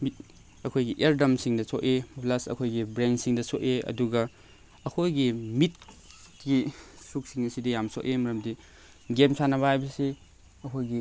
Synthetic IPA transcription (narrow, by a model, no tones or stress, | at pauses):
mit̚ | ɐkʰojɡiʔeɾdɐmsiŋdɐsʰoʔeplasɐ̰kʰojɡibɾensiŋdɐsoʔeɐ̰duɡɐ | ɐkʰojɡimit̚ | ɡisuk̚siŋɐsidɐjamso̰ʔemɐɾɐmdi | ɡemsʰanɐbahajbɐsi | ɐkʰojɡi